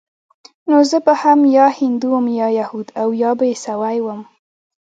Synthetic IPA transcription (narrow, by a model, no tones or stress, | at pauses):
nozəbəhamjɑhɪnd̪uwəmjɑjahud̪awjɑbajesawajwəm